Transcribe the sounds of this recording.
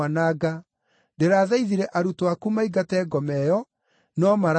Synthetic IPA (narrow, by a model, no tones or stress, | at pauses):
anaɡa | deɾaːðaiðiɾɛʔaɾutoakumaiɡatɛːɡɔmɛjɔ | nɔmaɾ